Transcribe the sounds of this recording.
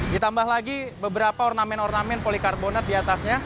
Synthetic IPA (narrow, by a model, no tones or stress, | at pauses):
dit̪ambahlaɡibəbəɾapaɔrnamɛnɔrnamɛnpolikarbonat̪̚diat̪asɲa